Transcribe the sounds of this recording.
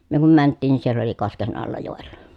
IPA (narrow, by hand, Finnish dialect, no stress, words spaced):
myø kum mæntːiːn nin sielː oli kosken ɑlːɑ joˑell̥ɑ̥